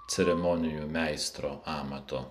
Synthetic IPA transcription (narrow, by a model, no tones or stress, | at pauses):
t̪sʲɛɾʲɛmonʲɪjuːmʲæɪst̪ɾoːɑːmɐt̪o